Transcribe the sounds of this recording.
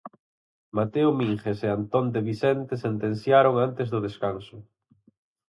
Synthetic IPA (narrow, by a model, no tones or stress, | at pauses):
mat̪eʊmiŋxeseant̪ond̪eβiθɛnt̪esent̪en̟θjaɾoŋant̪ezðʊðeskansʊ